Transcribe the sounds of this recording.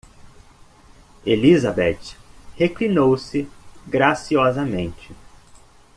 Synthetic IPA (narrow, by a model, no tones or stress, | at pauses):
elizabɛt͡ʃheklinowsɪɡɾasiɔzɐmẽnt͡ʃɪ